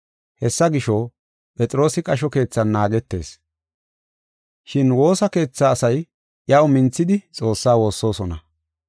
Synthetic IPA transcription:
hɛsːɐɡɪʃɔ | pʼɛt͡sʼɪɾo̞ːsɪkʼɐʃ̬ɔke̞ːt͡sːɐnːaːɡɛt̪ːe̞̰ːs | ʃɪnwo̞ːsɐke̞ːt͡sːaːsɐj | ʔjɐwmɪnt͡sːɪd̪ɪt͡sʼo̞ːsːaːwo̞ːsːo̞ːsɔnɐ

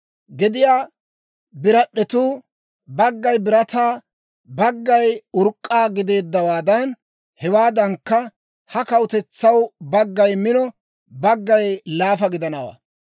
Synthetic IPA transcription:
ɡɪd̪ɪjaː | bɪɾɐɗːɛt̪uː | bɐɡːɐjbɪɾɐt̪aː | bɐɡːɐjʊɾkʼːaːɡɪd̪e̞ːd̪ːɐwaːd̪ɐn | hɛwaːd̪ɐŋkːɐ | hɐkɐwʊt̪ɛt͡sːɐwbɐɡːɐjmɪnɔ | bɐɡːɐjlaːfɐɡɪd̪ɐnɐwa̰ː

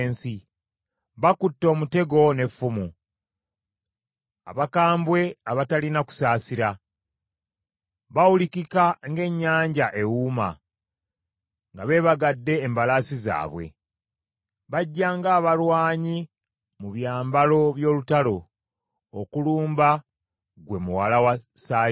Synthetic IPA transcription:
nsi | βakutːo̞ːmute̞ɡo̞ne̞fːumu | a̰βakaːmbwe̞aβatalinaku̥saːsiɾa | βawulikikaŋɡe̞ɲːaːɲɟaʔe̞wuːma̰ | ŋɡaβe̞ːβaɡadːe̞ːmbalasiza̰ːβwe̞̰ | βaɟːaːŋɡaːβalwaːɲi | muβjaːmbalo̞βjo̞ːlutalo̞ | okuluːmba | ɡwe̞muwalawasaː

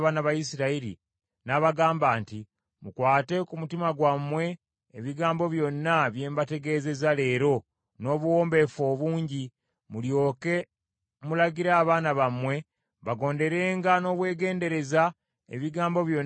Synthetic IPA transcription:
βaːnaβajisiɾaiɾḭ | naβaɡaːmbaːnti | mukwaːte̞kumutimaɡwamwe̞ː | βiɡaːmbo̞βjo̞nːaβje̞ːmbate̞ɡe̞ːze̞zale̞ːɾo̞ | no̞ːβuwo̞ːmbe̞fo̞ːβuːɲɟi | muljo̞ːke̞ | mulaɡiɾaːβaːnaβamwe̞ | βaɡo̞ːnde̞ɾe̞ːŋɡano̞ːβwe̞ːɡe̞ːnde̞ɾe̞za | ḛβiɡaːmbo̞βjo̞n

